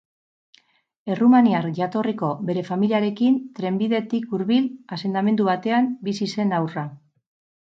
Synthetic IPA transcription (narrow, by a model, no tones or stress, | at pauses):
e̞rumaniaɾʝat̪o̞riko̞be̞ɾe̞familiaɾe̞kint̪ɾe̞mbiðe̞t̪ikuɾβilase̞nd̪ame̞nd̪uβat̪e̞ambisise̞nawra